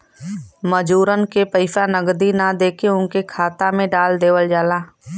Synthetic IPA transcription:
məd͡ʒuːɾənkepəɪʃanəɡd̪inad̪eːkeʊ̃nkekʰaːt̪amẽɖaːld̪eːʋəld͡ʒaːlaː

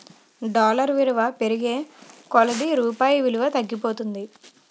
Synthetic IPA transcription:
ɖaːlɐɾʋiluʋɐpeɾiɡe̞ːkɔlɐɖiɾuːpaːjiʋiluʋɐt̪ɐɡːipo̞ːt̪und̪i

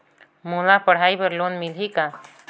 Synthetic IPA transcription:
mulapəɽ̤aibəɾlonmilɦika

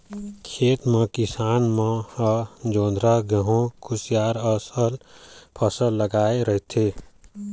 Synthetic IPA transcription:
kʰeːt̪mə̃kɪsaːnmə̃ | d͡ʒoːnd̪ɾaɡəɦõkʰʊsjaːɾəsəlpʰəsəlːəɡaːeɾəɦit̪ʰe

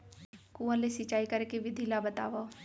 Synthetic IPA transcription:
kuːəlesit͡ʃaːikɐɾekeʋɪd̪ʱilabət̪a̰ːʋa

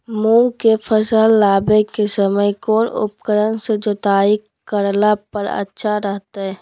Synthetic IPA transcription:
mũːkefəsəlːaːbekesəməjkoːnʊ̰p̚kəɾənsed͡ʒot̪aːikː | əɾlapəɾə̰tːʃʰaɾɛɦt̪aɦɛː

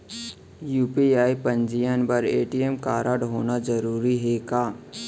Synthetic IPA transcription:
juːpiaːipɐ̃ɲd͡ʒijənbɐɾeːʈiemkaːɾaːɽɦoːnad͡ʒɐɾuːɾiɦekaː

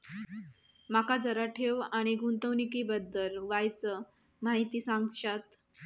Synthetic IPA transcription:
makad͡zəɾaʈʰeʋaɽ̃iɡunt̪əʋnikibəd̪ːəlʋajt͡sə | maɦit̪iːsaŋɡɕat̪

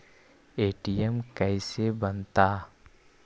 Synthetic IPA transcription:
eːʈijɛmkɛːsebənt̪aː

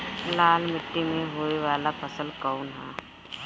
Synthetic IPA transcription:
laːlmɪʈːimẽɦoːeʋaːlapʰəsəlkəːʊnɦɛ̰ː

